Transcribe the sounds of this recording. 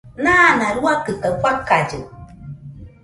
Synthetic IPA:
nanãɾuakɨkafakad͡ʒṵ

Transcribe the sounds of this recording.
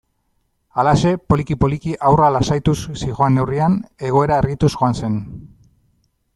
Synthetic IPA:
alase̞po̞likipo̞likiʔawralasajt̪ussiɣo̞anːe̞wriane̞ɣ̞o̞e̞ɾae̞rɣit̪uzɣo̞anse̞n

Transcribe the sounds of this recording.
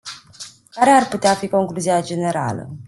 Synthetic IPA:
kaɾearput̪eafiko̞ŋkluziad͡ʒe̞ne̞ɾa̰lə̰

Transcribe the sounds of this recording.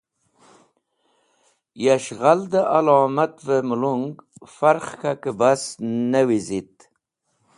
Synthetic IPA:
jaʃʁald̪aʔalɑːmat̪vamʊluŋɡfaɾχkakɪbasnawizit̪

